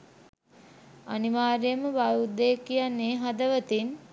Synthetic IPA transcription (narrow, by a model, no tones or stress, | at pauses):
aniʋaːɾejəməʋajud̪ejkijanːeːɦad̪əʋət̪in